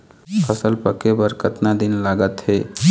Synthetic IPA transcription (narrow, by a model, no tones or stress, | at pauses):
əsəlpəkebəɾkət̪nad̪ɪnlaːɡət̪ɦeː